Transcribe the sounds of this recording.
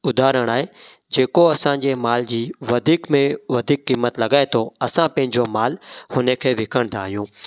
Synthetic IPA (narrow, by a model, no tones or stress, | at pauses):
ʊd̪aːɾəɽ̃aːɦe | d͡ʑeːkoɐsãːɲd͡ʑeːmaːld͡ʑiːʋɐd̪ʱiːkmẽʋɐd̪ʱiːkːiːmːət̪lɐɡaːet̪ʰoɐsãpɐ̃ɦɪ̃ɲd͡ʑomaːlhʊːnekʰeːʋɪkʰəɽ̃d̪aːɦijũː